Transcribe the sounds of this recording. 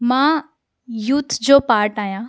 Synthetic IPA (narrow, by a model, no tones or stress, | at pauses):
mãː | jut̪ʰd͡ʑoːpaːɾʈaːjãː